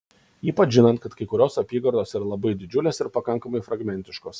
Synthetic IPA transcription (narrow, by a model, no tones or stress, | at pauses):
iːpɐt͡ʃʒʲɪnɐnt̪̚kɐt̪kɐɪkʊɾʲoːsɐpʲiːɡɐɾd̪oːsiɾɐlˠɐbɐɪd̪ʲɪd͡ʒʲʊlʲeːsɪɾpɐkɐŋkɐmɐɪfɾɐɡmʲɛnʲt̪ʲɪʃkoːs